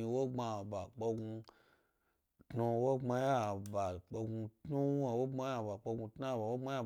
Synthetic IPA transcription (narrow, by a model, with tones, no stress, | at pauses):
i˧wo˦ɡ͡ba˧˨ba˨k͡pe˧ɡu˧ | tno˧wo˦ŋ͡ma˧ja˦˨ba˨k͡pe˧ɡu˧tno˦wa˨wo˦ŋ͡ma˧ja˦˨ba˨k͡pe˧ɡu˧tna˦˨ba˨wo˦ŋ͡ma˧˦ja˦˨